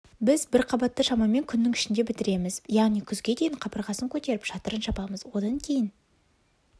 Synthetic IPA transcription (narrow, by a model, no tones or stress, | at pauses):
bɪzbɪɾqʰɑbɑt̪ːəʃɑmɑme̞ŋkʲʰʏnːɪŋɪʃɪnd̪e̞bɪt̪ɪɾe̞mɪzjɑʁnijkʲʰʏzɡʲe̞d̪ejɪɴqʰɑpəɾʁɑsəŋkʲʰɵt̪e̞ɾɪpʃɑt̪əɾənʃɑpɑməzwo̞d̪ɑŋkʲʰe̞jɪn